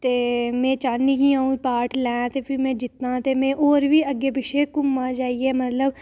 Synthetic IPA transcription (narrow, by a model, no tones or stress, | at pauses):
t̪eːmẽːt͡ʃaːniːkĩãːũːpaːʈlɛ̃ːt̪eːpʰiːmɛ̃ːd͡ʒɪt̪nãːt̪eːmɛ̃ːʔoːɾʋiːəɡeːbɪʃeːkʊmːaːd͡ʒaːiɛːmət̪ləb